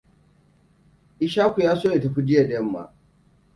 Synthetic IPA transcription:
ʔɪ˦ʃaː˦kʷu˨jaː˦soː˦e˨tɐ˨ɸi˦d͡ʒɪ˦ja˨dɛ˦mːa̰˨

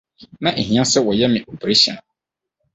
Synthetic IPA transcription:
nã˦ʔe˨ɦĩ˨˦ã˦sɛ˦wɔ˨jɛ˦mɪ̃˨ʔo˨bɾe˦ɕḭ˨nʊ̃˨

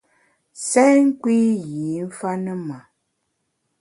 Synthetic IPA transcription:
sɛ˦ŋ̩˦kwi˦ji˨˦m̩˦fa˦nə˦ma˨

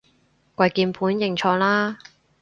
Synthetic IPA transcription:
kʷɐ˧jkiː˧npʰuː˨˥njɪ˨˧˩ŋt͡ʃʰɔː˧ŋlaː˥

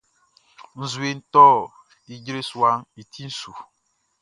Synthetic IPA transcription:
n̩˦zu˨˦e˦n̩˦tɔː˦˨ | i˦d͡ʒɾe˦su˨a˦ŋ˦i˨tʰi˦n̩˦su˨

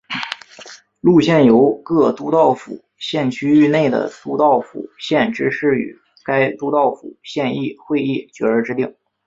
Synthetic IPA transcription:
lu˥˧ɕjɛ˥˩njo˧˥ʊkɤ˥˩t̪u˥t̪ɑ˥˩ʊfṵ˨˩ | ɕjɛ˥˩nt͡ɕʰy˥y˥˧ne˥˩ɪd̪ə̰˩t̪u˥t̪ɑ˥˩ʊfṵ˨˩ɕjɛ˥˧nʈ͡ʂɻ̩˥ʂɻ̩˥˩y̰˨˩ | ka˥ɪt̪u˥t̪ɑ˥˩ʊfṵ˨˩ɕjɛ˥˧ni˥˩xwe˥˧ɪi˥˩t͡ɕɥɛ˧˥ə˞˧˥ʈ͡ʂɻ̩˥t̪i˥˩ŋ

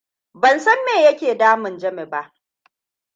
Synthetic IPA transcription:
bɐ˨nsɐ˦mːeː˨jɐ˦kʲeː˨daː˦mɪ˨nd͡ʒɐ˦me˨ba˦ʔ

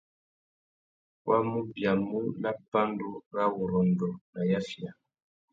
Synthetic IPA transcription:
wa˦mu˦bja˨mu˦la˦pa˦ndu˦ɾa˦wu˨ɾɔ˨n˨dɔ˨na˨ja˦fja˨

